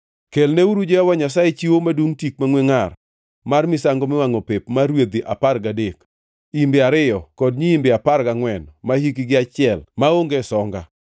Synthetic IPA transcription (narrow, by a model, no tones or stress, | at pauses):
kelneuɾud͡ʒɛawaɲas̬ajet͡ʃiwomadwuŋtik̚maŋweŋar | marmɪsaŋɡɔmɪwaŋɔpepmaɾwed̪iʔaparɡadek | imbɪaɾɪjɔkɔd̚ɲiimbɪaparɡaŋwɛnmahikiɡɪat͡ʃɪɛlmaoŋɡesɔŋɡa